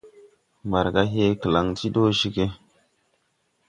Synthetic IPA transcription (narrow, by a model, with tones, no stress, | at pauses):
mba˨ɾka˦ɦe˦kə˨la˨ŋti˦ɗo˦ʃi˦ke˦